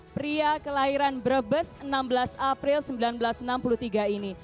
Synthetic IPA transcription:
pɾiakəlaɦiɾanbəɾəbəsənambəlasapɾɪlsəmbilanbəlasənampulut̪iɡaini

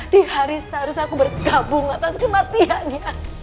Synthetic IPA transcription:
d̥ihaɾisaɾusakubərɡabʊŋat̪askəmat̪ianja

